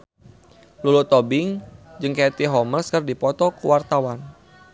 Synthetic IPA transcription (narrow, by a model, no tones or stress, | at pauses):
lulut̪ɔbɪŋd͡ʒɨŋket̪iɦɔməlskərdipɔt̪ɔkṵwart̪awan